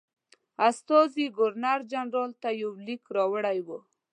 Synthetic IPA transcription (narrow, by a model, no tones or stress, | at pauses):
ast̪ɔziɡʊɾnaɾd͡ʒanɾɑlt̪ajawlikɾɑwəɽajwə